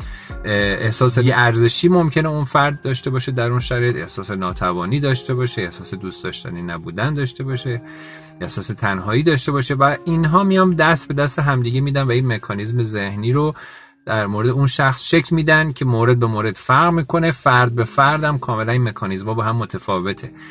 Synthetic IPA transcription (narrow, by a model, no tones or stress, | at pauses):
ʔehsɒːseiɡeæɾze̞ʃiːmo̞mcʰe̞neunfæɾd̪̚ːɒːʃt̪e̞bɒːʃed̪æɾunʃæɾɒed̪ḛhsɒːse̞nɒːt̪ʰævɒːniːd̪ɒːʃt̪ebɒːʃeehsɒːse̞d̪ust̪ɒːʃt̪æ̰ninæbuːd̪ænd̪ɒːʃt̪e̞bɒːʃe | ʔehsɒːse̞t̪ʰænɦɒːiːd̪ɒːʃt̪e̞bɒːʃe̞væinɦɒːmijɒːmd̪æst̪̚be̞d̪æst̪eɦæmd̪iːɟemid̪ænvæinmekʰɒːnizmeze̞hniːɾo | d̪̥æɾmoːɾed̪eunʃæxsʃecʰlmiːd̪æncʰe̞moːɾe̞d̪̚be̞moɾe̞d̪̥fæɾɣʁmiːkʰo̞ne̞fæɾd̪̚be̞fæɾd̪æmkʰɒːme̞læninme̞kʰɒːnizmhɒːbɒːɦæmːo̞t̪ʰefɒːve̞t̪ʰe